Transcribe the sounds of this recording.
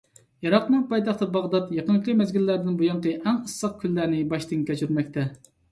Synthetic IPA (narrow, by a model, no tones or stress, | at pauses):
jɑɾɑqnɨŋpɑjt̪ɑχt̪ɨbɑʁd̪ɑt̪jɑqənŋkʲimɛzɡʲilːæɾd̪ɪnbujɑɴqəʔɛŋəsːɑq̚kʲʰylːæɾnɪbɑʃt̪ɨŋkʲʰɛt͡ʃyɾmɛk̚ʲt̪ʰɛ